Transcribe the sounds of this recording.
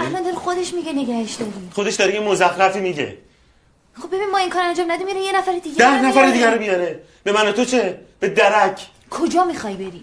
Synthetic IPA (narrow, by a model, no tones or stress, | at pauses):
ʔælɒnd̪ɒːɾexod̪eʃmiɟene̞ɡæheʃd̪ɒːɾixod̪eʃd̪ɒːɾejemozæxɾæfiːmiɟḛ | χob̚ebinimɒːiŋkʰɒːɾænd͡ʒɒːmnæd̪imiɾijenæfæɾed̪iːɡd̪æhnæfæɾd̪iːɡʲæɾobijɒɾe | b̥emænot̪ʰot͡ʃʰeb̥ed̪æɾæcʰ | kʰod͡ʒɒːmixɒːjbe̞ɾiː